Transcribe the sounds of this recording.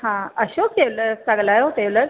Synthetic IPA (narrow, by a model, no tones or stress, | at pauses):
ɦãəɕokeʋləɾsəɡlajoot̪eʋləɾ